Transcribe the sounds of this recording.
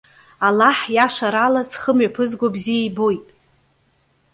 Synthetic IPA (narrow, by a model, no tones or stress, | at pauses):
alaħjaʃaɾalasχəmɥapʰɨzɡʷabzijaibo̞jtʼ